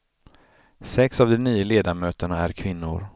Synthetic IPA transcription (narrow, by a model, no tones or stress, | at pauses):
sɛksavd̪ɔniːəleːd̪amøːt̪əɳaæɾkʰvɪnːʊ̰ɾ